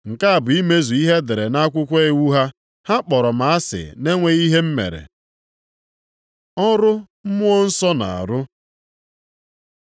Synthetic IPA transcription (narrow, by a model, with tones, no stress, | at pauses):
ŋ̩˨ka˦a˨bʊ˨i˦me˦zu˨i˦ɦe˦de˨ɾe˨na˦a˦kʷʊ˦kʷe˦e˦wu˦ɦa˦ | ha˦k͡pɔ˨ɾɔ˨m̩a˨a˦sɪ̰˨ne˦ŋʷe˦ɣi˦ɦe˦m̩˦mḛ˨ɾḛ˨ | ɔ˦ɾʊ˦ | m̩˦mʊ˦ɔ˦n̩˦sɔ˦na̰˨a̰˨ɾʊ˦